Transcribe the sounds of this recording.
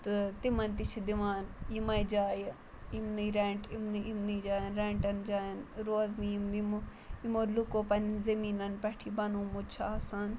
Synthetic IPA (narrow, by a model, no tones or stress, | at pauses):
t̪ɨt̪imɐnt̪it͡ʃʰid̪iʋaːnjimɐjd͡ʒaːj | imniɾɛ̃ːʈimniimnid͡ʒaːjɐnɾɛ̃ːʈɐnd͡ʒaːjɐnɾoːzniimnimo | imoɾlukoːpɐnzɐmiːnɐnpɛʈʰibɐnoːmut͡ʃʰasan